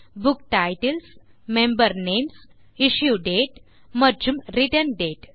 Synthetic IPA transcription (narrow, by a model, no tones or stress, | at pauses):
bukʈajʈəls | mẽmbəɾnems | iɕjuɖeʈ | məɾd͡ʑumɾiʈənɖeʈ